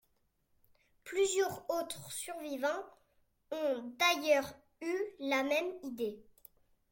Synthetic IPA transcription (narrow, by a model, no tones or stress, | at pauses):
plyzjœʁot̪χsyʁvivɑ̃ | ɔ̃d̪ajœʁ | ylamɛmid̪e